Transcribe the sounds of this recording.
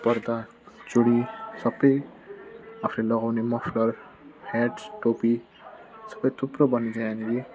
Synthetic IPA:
pʌɾd̪a | t͡soɽisʌbʌj | apʰulelʌɡawnemʌpʰlʌr | haʈʈopi | sʌ̥bʌjt̪ʰuprʌbʌnːit͡sãj̃anile

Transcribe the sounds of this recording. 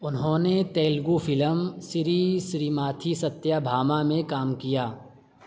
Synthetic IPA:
ʊnɦõːnet̪ɛːlɡufʰɪləmsɪɾisɾiːmaːt̪ʰisɐt̪ːjabʱaːmamẽkaːmkijaː

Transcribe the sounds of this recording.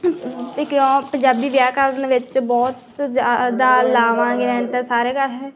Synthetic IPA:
ekjõːpəɲd͡ʒaːbiːʋjaːkəɾənʋɪt͡ʃbɔːt̪zaːd̪aːlaːʋãːɡɪɾɛ̃ːnt̪ẽːsaːɾeːkəɾɛː

